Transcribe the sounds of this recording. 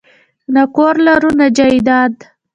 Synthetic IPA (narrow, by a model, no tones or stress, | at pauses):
nakoɾlaɾunad͡ʒaid̪ɑd̪